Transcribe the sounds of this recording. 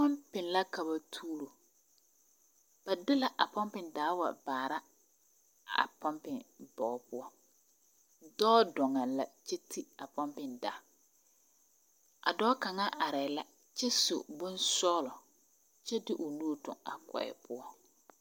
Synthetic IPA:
pɔ˦mpɪ˨nla˦ka˨ba˨tʰuː˦ɾo˨ | ba˨dɪ˦la˨ʔa˨pɔ˦mpɪ˨ndaː˨˦wa̰˨baː˨ɾa˦˨ | pɔ˦mpɪ˨ŋbɔː˨˦˨pʊ˦ɔ˦ | dɔː˦dɔ˨ŋa˨la˨t͡ʃɛ˦tʰi˦a˨pɔ˦mpɪ˨nda̰ː˨˦ | a̰˨dɔː˦ka˨ŋa˦ʔa˨ɾɛ˨la˦ | t͡ʃɛ˦sʊ̰˨bʊ˦nsɔː˦lɔ˨ | t͡ʃɛ˦dɪ˦ʔʊ˨nu˦tʊ̰˨ŋa̰˨kɔ̰˨ɛ̰˨pʊ˦ɔ˦

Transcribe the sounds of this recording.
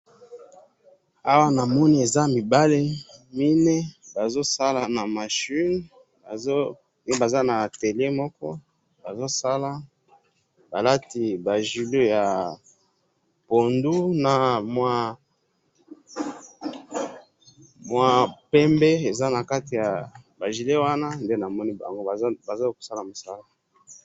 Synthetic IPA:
a˦wa˦na˨mɔ˦ni˦e˨za˦mi˨ba˦le˦mi˦nɛ˦ba˨zo˦sa˦la˨na˨ma˨ʃi˦n | ba˨o˦ | m˦˨ba˨za˦na˨te˨le˦mɔ˦kɔ˦ | ba˨zo˦sa˦la˦ | ba˨la˦ti˨ba˨ʒi˨lo˦ja˨ | po˨ndu˦na˨mwa˦ | mwa˦pɛ˦mbe˦e˨za˦na˨ka˦ti˨ja˨ba˨ʒi˨le˦wa˦na˦nde˦na˨mɔ˦ni˦ba̰˨ŋɡo˦˨˦ba˨za˦ko̥˨sa˦la˨mo˨sa˦la˦

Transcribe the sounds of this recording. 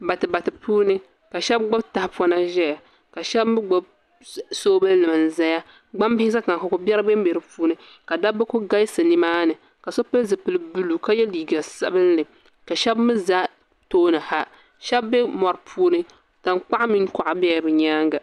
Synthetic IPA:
ba˨tɨ˨ba˨tɨ˨puː˦nɨ˦ | ka˨ʃɛ˦b̚ɡ͡bo˦bta˨hpɔ˦na˦ʒɛ˦ja˨ | ka˨ʃɛ˦bbɨ˦ɡ͡bo˦b̚ | soː˦bɨ˦llɨ˨mɨ˨n˨za˦ja˦ | ɡ͡ba˦mbɪ˦s̬a˦ka˨ŋ˨ka˨ko˦bʲɛ˦ɾɨ˦be˦m˦be˨ɾɨ˨pʰuː˦nɨ˦ | ka˨da˦bɨ˦ko˦ɡa˦jsɨ˨ni˦maː˦nɨ˨ | ka˨so˦pɨ˦lzɨ˨pɨ˨lɨ˨bu˦lu˨ka˦jɛ˦liː˨ɡa˨sa̰˦bɨ˦n˦lɨ˨ | ka˨ʃɛ˦bmɨ˦za˦ | toː˦nɨ˨ha˦ | ʃɛ˦bːɛ˦mɔ˨ɾpʰuː˦nɨ˦ | ta˨ŋk͡pa˦ʔmi˦ŋkɔ˨ʔa˨bɛ˦ja˨bɨ˨ɲaː˦ŋɡa˨

